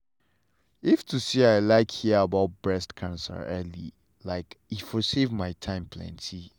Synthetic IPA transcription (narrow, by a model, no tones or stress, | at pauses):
iftʰusiaɪlaɪkhiəəbaʊt̚b̥ɹɛstkʰãnsə̰ɛlḭ | laɪkifɔsevmaɪtʰãɪ̃mpʰlɛ̰̃ntʰi